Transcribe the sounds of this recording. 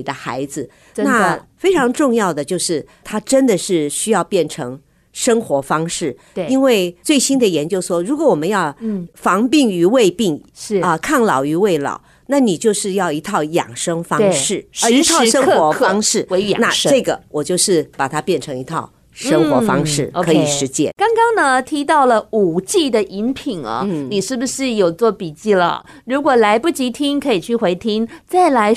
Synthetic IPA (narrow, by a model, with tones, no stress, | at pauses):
i˨˩d̪ə˦xa̰˧˥ɪd͡zɹ̩˧ | na˥˩fe˥ɪʈ͡ʂʰɑ˧˥ŋʈ͡ʂʊ˥˧ŋjɑ˥˩ʊd̪ə˩t͡ɕjo˥˧ʊʂɻ̩˥˩ | t̪ʰa˥ʈ͡ʂə˥nd̪ə˨ʂɻ̩˥˩ɕy˥jɑ˥˧ʊpjɛ˥˩nʈ͡ʂʰɤ˧˥ŋ | ʂɤ˥ŋxwɔ˧˥fɑ˥ŋʂɻ̩˥˩˧ | i˥nwe˥˧ɪt͡swe˥˩ɪɕi˥nd̪ə˨jɛ˧˥nt͡ɕjo˥ʊʂwɔ˥ɻu˧˥kwɔ˧˥wɔ˨˩mə˧˦njɑ˥˩ʊfɑ˧˥ŋpi˥˩ŋy˧˥we˥˧ɪpi˥˩ŋ˥˩ə˧kʰa˥˩nlɑ˨˩ʊy˧˥we˥˩ɪlɑ̰˨˩˦ʊ | na˥˩ni˨˩t͡ɕjo˥˧ʊʂɻ̩˥˧jɑ˥˩ʊi˧˥t̪ʰɑ˥˩ʊjɑ̰˨˩ŋʂɤ˥ŋfɑ˥ŋʂɻ̩˥˩˧i˧˥t̪ʰɑ˥˧˥ʂə˥ŋ˥wɔ˧˥ɑ˥ŋʂɻ̩˥˩we˧˥ɪ̰˨na˩˥˧ʈ͡ʂɤ˥˩ɡə˩wɔ˨˩t͡ɕjo˥˧ʊʂɻ̩˥˩pa˨˩t̪ʰa˥pjɛ˥˩nʈ͡ʂʰɤ˧˥ŋi˧˥t̪ʰɑ˥˩ʊ | ʂɤ˥ŋxwɔ˧˥fɑ̰˥ŋʂɻ̩˥˩kʰɤ˧˥i˨˩ʂɻ̩˧˥t͡ɕjɛ˥kɑ˥ŋkɑ˥ŋnə˧t̪ʰi˧˥t̪ɑ˥˩ʊlə˩u˨˩t͡ɕi˥˩d̪ə˨ʔi˧˥npʰi˨˩ŋɐ̰˧˦ni˨˩ʂɻ̩˥˩bu˩ʂɻ̩˥˩jo˨˩ʊt͡swɔ˥˩pi˨˩t͡ɕi˥˩lə̰˨ | ɻu˧˥kwɔ˨˩la˧˥ɪpu˥˩t͡ɕi˧˥t̪ʰi˥ŋkʰɤ˧˥i˨˩t͡ɕʰy˥˩xwe˧˥ɪt̪ʰi˥ŋt͡sa˥˩ɪla˧˥ɪ